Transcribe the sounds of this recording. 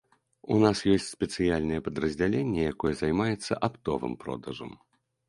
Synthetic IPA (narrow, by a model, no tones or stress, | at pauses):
unasjɔsʲt͡sʲspʲɛt̪sɨjalʲnɐjɛpɐd̪ɾɐzʲd͡zʲalʲenʲːɛjakɔjɛzajmajɛt̪sːɐʔapt̪ɔvɨ̰mpɾɔ̰d̪ɐʐɐ̰m